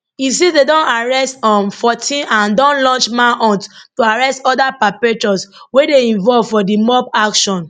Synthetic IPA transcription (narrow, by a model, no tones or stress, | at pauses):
is̬idedɔ̃naɹɛstɔ̃mfɔtʰĩnãndɔ̃nlɔ̃nt͡ʃmaʔɔ̃nttoaɹɛstɔdapapɛtɔswedeĩnvɔlvfɔdimɔpakʃɔ̃n